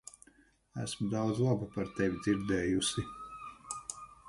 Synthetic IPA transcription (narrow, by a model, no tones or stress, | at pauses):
æ̰smud̪awd̪zlˠabupaɾt̪ɛvʲid̪ziɾd̪ɛːjusi